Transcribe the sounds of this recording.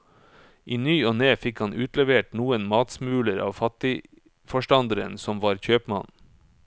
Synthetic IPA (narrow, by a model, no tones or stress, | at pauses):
ʔiːnyːoːneːfɪkhɑnʔʉːt̪lɛʋeːʈnuːənmɑːt̪smʉːləɾɑ̰ːʋfɑt̪ɪ | fɔʃʈɑnd̪əɾənsɔmʋɑːɾçøːpmɑ̰n